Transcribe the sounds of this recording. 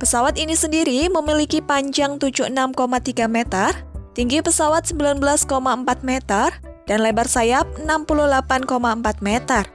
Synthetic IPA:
pəsawat̪inisəndiɾiməmilikipaɲd͡ʒaŋt̪ud͡ʒuənamkomat̪iɡamet̪ərt̪iŋɡipəsawat̪̚səmbilanbəlaskomaəmpat̪̚met̪ər | d̥anlebarsajap̚ənampuluhlapankomaəmpat̪̚mɛt̪ər

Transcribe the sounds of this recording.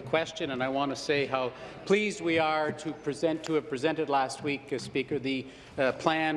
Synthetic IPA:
ɨkʰw̥ɛst͡ʃɨ̃nə̃naɪwɑ̃ntɨseɪɦaʊpʰl̥izd̚wiə˞ɾɨpʰɹ̥ɨzɛ̃ntʰɨɨv̥pɹ̥ɨzɛ̃ntɨdˡlæst̚wikɨspikə˞ðɨ | pʰl̥æ̃n

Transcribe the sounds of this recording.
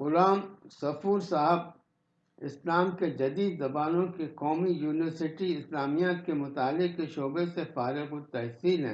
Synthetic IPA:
ɣʊlaːmsɐfuːɾsaɦəb | ɪslaːmked͡ʒɐd̪iːd̪zɐbaːnõkeqɔːmijuːnɪʋəɾsɪʈiɪslaːmijat̪̚kemʊt̪aːlːɪq̚keʃoːbesefaːɾɪɣot̪ɛɦsiːlɦɛ̰̃ː

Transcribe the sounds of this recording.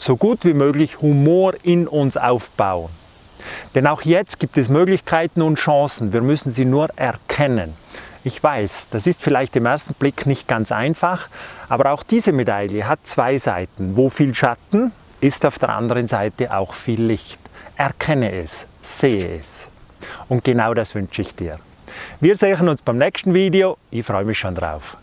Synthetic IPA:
z̥oɡuːtv̥iːmøːɡlɪçhumoːɾɪnʊnsa̰ʊfb̥aʊən | d̥ɛnaʊxjɛt͡st̚ɡ̥iːp̚tɛsmøːɡlɪçkʰaɪtn̩ʊntʃɑ̃ːsn̩viːɐmʏsn̩ziːnuːɐʔɛʁkʰɛnənɪçv̥aɪsd̥asɪstfɪlaɪçtɪmʔɛɐstn̩b̥lɪknɪçt̚ɡ̥ant͡sʔa̰ɪnfaχʔaːbɐɾaʊxd̥iːzəmedaljəɦat̚t͡sv̥aɪza̰ɪtn̩voːfiːlʃatn̩ | ɪstaʊfd̥ḛːɐʔa̰ndəʁənzaɪtəʔa̰ʊxfiːlːɪçtʔɛʁkʰɛnəʔɛsz̥eːəʔɛ̰s | ʊnt̚ɡ̥enaʊdasv̥ʏnt͡ʃəɪçd̥ḭːʁ | viːɐzeːxənʊnsb̥aɪmnɛkstn̩viːdeoʔɪçfʁ̥ɔʏəmɪçʃoːndʁa̰ʊf

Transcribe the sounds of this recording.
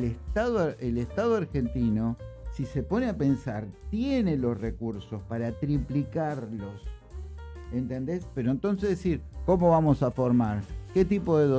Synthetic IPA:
est̪aðoʔelest̪að̞oaɾxe̞nt̪ino̞sisepo̞neape̞nsaɾt̪jene̞lo̞srekuɾso̞spaɾat̪ɾiplikaɾlos | ent̪e̞nd̪espeɾo̞ent̪o̞ns̬ezðesiɾko̞mo̞βamo̞safo̞ɾmaɾket̪ipoðeðo

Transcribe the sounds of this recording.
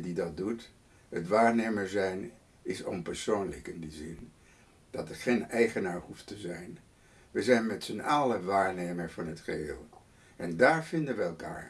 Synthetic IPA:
didɑt̚dut | ɦətʋaːɹnejməɹzɛjn | ɪsɔ̰npɛɹsownlə̰kɪndizɪn | d̥ɑtəɹχenɛjχənaːɹhuftəzɛjn | ʋəzɛjnmɛtsənaːləʋaːɹnejməɹvɑnɦətχəɦɪ̰ːlˠ | ɛndaːɹv̥ɪndənʋəɛlˠka̰ːɹ

